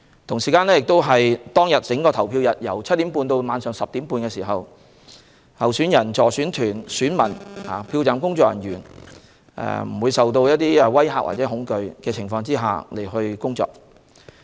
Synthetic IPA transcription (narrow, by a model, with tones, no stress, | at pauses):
t̪ʰʊ˨˩ŋsiː˨kaː˧nlɛː˥jɪ˨k̚t̪o˥wɦɐ˨jt̪ɔː˥ŋjɐ˨t̚t͡sɪ˨˥ŋkɔː˧t̪ʰɐ˨˩wpʰiː˧wjɐ˨t̚jɐ˨˩wt͡sʰɐ˥t̚t̪ːi˨˥mpuː˧nt̪o˧wmaː˨˧nsœː˨˩ŋsɐ˨p̚t̪iː˨˥mpuː˧nkɛː˧siː˨˩ɦɐ˨w | hɐ˨˩wsyː˨˥njɐ˨˩nt͡sɔː˨˩syː˨˥nt̪ʰyː˨˩nsyː˨˥nmɐ˨˩naː˨˩pʰiː˧wt͡saː˨˧mkʊ˥ŋt͡sɔː˧˥kjɐ˨˩njyː˨˩n | ʔɛ̰ː˧m̩˨˩wuː˨˧jsɐ˨wt̪o˧wjɐ˥t̚t̪iː˥ɛ˧wɐ˥jɦa̰ː˨˥wa̰˨˩t͡sɛː˨˥hʊ˨˥ŋkɵ˧ɥkɛː˧t͡sʰɪ˨˩ŋfɔː˧ŋt͡siː˥ɦa̰ː˨le˨˩jhɵ˧ɥkʊ˥ŋt͡sɔ̰ː˧k̚